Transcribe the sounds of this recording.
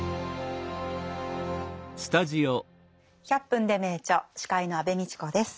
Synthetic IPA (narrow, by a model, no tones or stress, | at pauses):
sɨ̥t̪aʑio | çʲapːɯ̟̃nd̪e̞me̞ːt͡ɕoɕi̥kaino̞abe̞mʲit͡ɕi̥ko̞d̪e̞sɨ̥